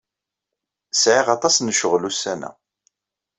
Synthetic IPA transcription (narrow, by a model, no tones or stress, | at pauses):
sʕiʁɑt̪ˤɑsnʃəʁlusːænæ̰